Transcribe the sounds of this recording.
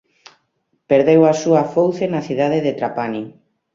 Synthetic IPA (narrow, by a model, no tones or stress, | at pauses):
peɾðewasuafowθenaθiðaðeðet̪ɾapani